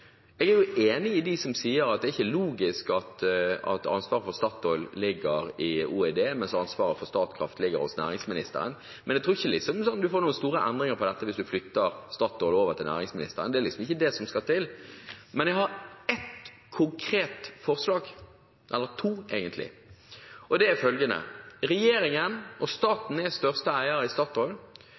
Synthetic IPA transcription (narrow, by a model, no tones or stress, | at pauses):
ɛːɡæjʊʔeːnɪɪd̪ɪsɔmsiːəɾɑt̪d̪ɛːɾɪçːəluːɡɪskɑt̪ɑ̰t̪ɑ̰nsʋɑːɾəfɔɾst̪ɑːt̪ɔʏllɪɡːəɾɪuːɛd̪eːmɛnsɑnsʋɑːɾəfɔɾst̪ɑːt̪kʰɾɑ̰ft̪lɪɡəɾhɔ̰snæ̰ːɾɪŋsmɪnɪst̪ə̰ɾə̰n | mʔɛnɛɡt̪ʰɾuːɪçːəlɪksɔmsɔnd̪ʉfoːɾnuːənst̪uːɾəʔɛnd̪ɾɪŋəɾpʰɔd̪ɛt̪ːəʋɪsd̪ʉflʏt̪ːəɾst̪ɑːt̪ɔːloːʋəɾt̪ɪlnæ̰ːɾɪŋsmɪnɪ̰st̪əɾənd̪ɛæɾlɪksɔmɪçːəd̪ɛsɔmskɑt̪ʰɪlmɛnjæhɑɾɛt̪ | kʰʊŋkʰɾeːt̪fɔʁslɑːɡ | ʔɛlːəɾt̪ʰuːɛːɡənt̪lɪ̰ | ʔɔd̪ɛæfœlɡənə̰ʁɛjeːɾɪŋənʔɔst̪ɑːt̪n̩ɛst̪œʁst̪əæɪəɾɪst̪ɑːt̪ɔʏl